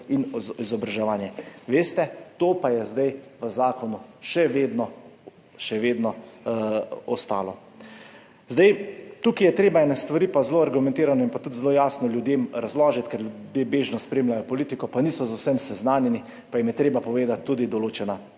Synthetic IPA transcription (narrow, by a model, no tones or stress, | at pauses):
inizɔbɾaʒɛʋaːnjɛʋeːst̪ɛt̪oːpajɛzd̪ajʋəzaːkɔnuʃɛʋeːd̪nɔ | ʃɛʋeːd̪nɔ | ɔst̪a̰ːlɔ | zd̪ajt̪uːkijɛt̪ɾeːbaɛnɛst̪ʋaɾiːpazloːaɾɡumɛ̃nt̪iːɾanɔinpat̪ut̪zloːjaːsnɔljud̪jeːmɾazlɔːʒit̪kɛɾljud̪jeːbeːʒnɔspɾeːmlajɔpɔliːt̪ikɔpaniːsɔzawsɛmsɛznaːnjɛni | pajimjɛt̪ɾeːbapɔʋeːd̪at̪ʰːuːd̪id̪ɔloːt͡ʃɛna